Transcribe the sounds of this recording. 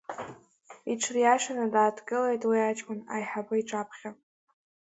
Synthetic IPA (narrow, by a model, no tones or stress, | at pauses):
iʈ͡ʂʰrijaʃanadaːdɡɨlejtʼwiat͡ʃʼkʷʼʊna̰jħabɨiʈ͡ʂʼapʰχʲa